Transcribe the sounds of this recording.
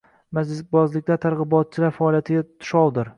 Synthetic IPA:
mad͡ʒlɪsbɒzlɪk̚ʲt̪at̪ʰaɾʁɨbɒt̪̚t͡ʃʰɪlaɾfaːlˠijat̪ʰɪɡʲat̪ʰʊ̥ʃɒwd̪ɪɾ

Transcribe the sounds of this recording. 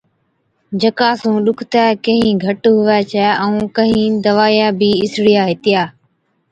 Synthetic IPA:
d͡ʒəkaːsũːɗʊkʰt̪ɛːkəɦĩːɡʱəʈɦʊʋɛːt͡ʃʰɛːʔəũːkəɦĩːd̪əʋaːjãːbiːɪsɽijaːɦɪt̪ɪjaː

